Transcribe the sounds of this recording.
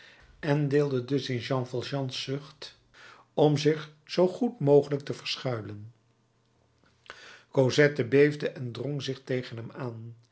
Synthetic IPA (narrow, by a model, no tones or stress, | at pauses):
ɛndɪːlˠdədɵsɪnʒɑ̃nvɑlˠʒɑ̃nsːɵχt | ɔmzɪχ | z̥owχutmowχələk̚təvəɹsχœɥlən | kozɛtəbejvdəʔɛndrɔŋzɪχtejχənɦɛmaːn